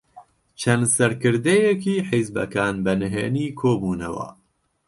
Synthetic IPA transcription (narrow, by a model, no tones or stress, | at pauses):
t͡ʃʰɐnsɐɾkɨɾd̪ejɛkiːħizbɐ̰kʰaːnbɐnɨɦeːniːkʰoːbuːnɐ̰wɐ̰